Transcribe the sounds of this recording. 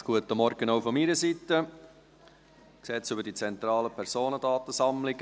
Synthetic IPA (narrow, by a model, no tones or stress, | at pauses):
ɡ̥uətəmɔɾɡ̥ənoʊfɔmiɾəsitə | ksɛːsʏbəɾdit͡sɛnt̪ɾɑːləpʰɛɾsoːnədɑːt̪əsɑmlɪɡ